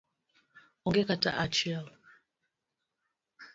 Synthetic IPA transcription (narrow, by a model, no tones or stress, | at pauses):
ɔŋɡɛkata̰ʔat͡ʃɛl